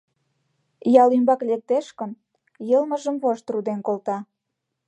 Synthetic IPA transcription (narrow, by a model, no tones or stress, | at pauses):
jɑlymbɑklek̚t̪eʃkə̆n | jəlmə̆ʒə̆mβoʃt̪rud̪enkolt̪ɑ